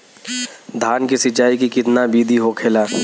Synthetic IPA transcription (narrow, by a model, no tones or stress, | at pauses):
d̪ʱaːnkisɪt͡ʃaːikikɪt̪nabiːd̪ʱiɦokʰeːlaː